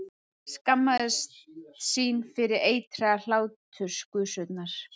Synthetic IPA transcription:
skamːaðɪst̪siːnfɪɾɪɾeːjt̪ʰɾɛɣal̥aːwt̪ʰʏ̥skʏsʏt̪naɾ̥

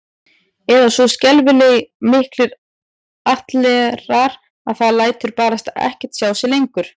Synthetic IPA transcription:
ɛðasɔscɛlvɪleɣmɪhklɪɾ | aht̪lɛɾaɾ | aðθaðlaːjt̪ʏɾpaːɾast̪aɛ̰hcɛ̥t̪sjaːwsɛlejŋkʏɾ̥

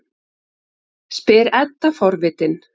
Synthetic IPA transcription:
spɪːɾɛt̪ːafɔɾvɪːt̪ɪn

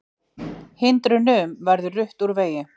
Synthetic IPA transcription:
hɪnt̪ɾʏnʏmvɛɾðʏrʏht̪uɾveːjɪ

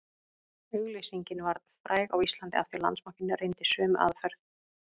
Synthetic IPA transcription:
ʏɣlijsiɲcɪnvaɾðfɾʔaːjɣawist̪lant̪ɪa̰ft̪ɪɾla̰nt̪smahcɪnːʏrejnt̪ɪsœːmʔa̰ðfɛɾθ

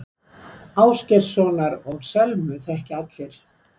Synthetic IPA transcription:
aːwscɛrsɔːnaɾɔɣsɛlmʏθɛhcɪat̪lɪɾ̥

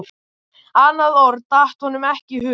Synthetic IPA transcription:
aːnːaðɔɾt̪aht̪hɔnʏmɛhcɪhʏ

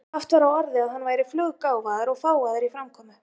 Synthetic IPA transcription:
aft̪vaɾawɔɾðɪaðhanːvaːjɾɪflœːɣkaːwvaːðɪɾɔɣfaːwvaːðɪɾifɾamkʰɔːmʏ

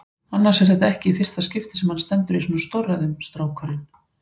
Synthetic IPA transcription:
anːaɾ̥sɛɾ̥θɛt̪aɛhcɪifɪr̥t̪ascɪft̪ɪ̥sɛmhanst̪ɛnt̪ʏɾisɔːnʏst̪oraðʏmst̪ɾaːwkʰaɾɪn

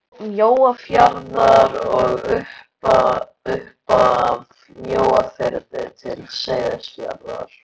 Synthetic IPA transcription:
mjoːwafjaɾðaɾɔɣʏhpa | ʏhpað | mjoːwafɛɾðɪt̪ʰɪlsejðɪsfja̰ɾða̰ɾ̥

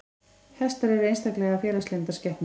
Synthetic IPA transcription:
hɛst̪aɾɛvɪejnst̪ahklɛɣafjɛːlaslent̪ascɛhpn

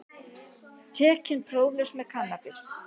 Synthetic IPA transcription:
t̪ʰɛːcɪnt̪ʰɾoːwlɛsmɛðkʰanːapɪs

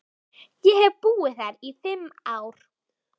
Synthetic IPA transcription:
jɛhɛvpuːɪθaɾiθɪmaːwɾ̥

